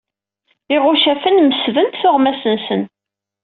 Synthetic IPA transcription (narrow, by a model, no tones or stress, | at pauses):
ɪʁʊʃæfənməsvənt̪θʊʁmæsənsən